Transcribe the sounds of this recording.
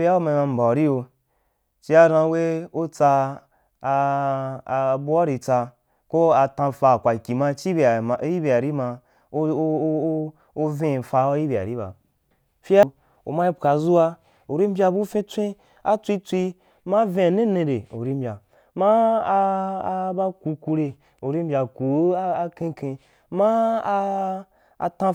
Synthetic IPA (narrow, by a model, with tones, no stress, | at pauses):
i˦a˦wo˦ma˧ma˧m̩˨ba˨ɾi˦jo˧ | t͡ʃi˦a˧ɾã˧˦we˦o˦t͡sa˧ | bu˦a˦ɾi˧t͡sa˧ | ko˦a˧tã˧˨fa˧˨kʷa˨lkʲi˨ma˧t͡ʃi˦bji˦bʲi˧˨a˨ɾi˦ma˧˦ | o˦vẽ˦˨fa˧˦ji˦bʲi˨a̰˨ɾi˦ba̰˨ | fi˦a˦˧ | o̰˨ma˦i˦pka˧zu˦wa˧ | o˨ɾi˦mbʲa˧bu˦fẽ˦t͡sʷĩ˦ | a˦t͡sʷi˦t͡sʷi˧ | ma˦vẽ˦˧˨nẽ˦nẽ˧de˨o̰˨ɾi˦m̩bʲa˨ | ma˦˧ | ba˦ku˧ku˧ɾe˧ | o˨ɾi˦m̩bʲa˧ku˨˦a˦a˧kẽ˧kẽ˧ | ma˦˧ | a̰˧tã˧